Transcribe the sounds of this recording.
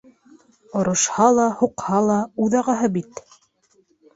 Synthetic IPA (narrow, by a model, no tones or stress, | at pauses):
ŏɾŏʃhɑlˠɑhuqhɑlˠɑuðɑʁɑɦɤbit̪